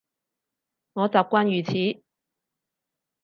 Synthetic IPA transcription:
ŋɔː˨˧t͡saː˨p̚kʷaː˥njyː˨t͡sʰiː˨˥

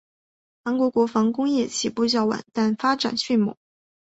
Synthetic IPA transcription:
xa˧˥nŋkwɔ˧˥kwɔ˧˥fɑ˧˥ŋkʊ˥ŋjɛ˥˩t͡ɕʰi˨˩pu˥˧t͡ɕjɑ˥˩ʊwa̰˨˩˦nt̪a˥˩nfa˥ʈ͡ʂa̰˨˩nɕy˥˩mṵ˨˥˩

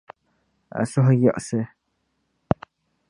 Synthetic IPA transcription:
a̰˨so˦ɦa˦jɔ˦˨ʔse˨

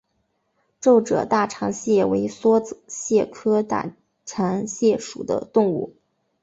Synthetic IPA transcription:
ʈ͡ʂo˥˩ʊʈ͡ʂɤ̰˨˩t̪a˥˩ʈ͡ʂʰɑ˧˥ŋɕjɛ˥˩we˧˥ɪswɔ˥t͡s̩˧ɕjɛ˥˩kʰɤ˥t̪a̰˥˩ | ʈ͡ʂʰɑ˧˥ŋɕjɛ˥˩ʂu˨˩d̪ə̰˦t̪ʊ˥˧ŋṵ˥˩

